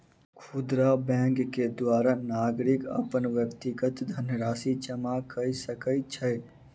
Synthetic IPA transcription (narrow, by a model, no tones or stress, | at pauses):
kʰud̪ɾabɛ̃ŋɡkːed̪waːɾanaɡɾikə̰pənʋjəkt̪iɡət̪d̪ʱənjəɾaːsit͡ʃəmakəjsəkəɪt̪̚t͡ʃʰəj